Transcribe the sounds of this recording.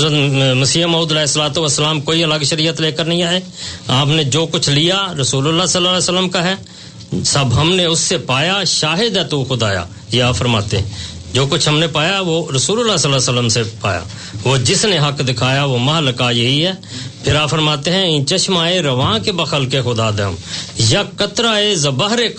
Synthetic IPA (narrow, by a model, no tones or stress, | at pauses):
ɾət̪məsiːəmaːuːd̪əlɛːsəlaːt̪oʋəsːəlaːmkoːiələɡʃəɾijət̪leːkəɾnəɦĩaːeː | aːpned͡ʒoːkʊt͡ʃʰlijaɾəsuːləlːasəlːaːlɛːsəlːəmkaɦɛː | səbɦɐmneʊsːepaːjaʃaːɦɪd̪ɛt̪uxʊd̪aːja̰ː | jeaːpfəɾma̰ːt̪ḛɦɛ̃ | d͡ʒoːkʊt͡ʃʰɦəmnepaːjaɦɛʋoɾəsuːləlːasəlːaːsələmsepa̰ːja̰ː | ʋoːd͡ʒɪsneɦəkd̪ɪkʰaːjaʋoːməɦləkajɐɦiɦɛː | pʰɪɾaːpfəɾmaːt̪eɦɛ̃ɪ̃t͡ʃəʃmaːeɾəʋãːkebəxʰəlkexʊd̪aːd̪əəmjakət̪ɾaːezəbəɦɾe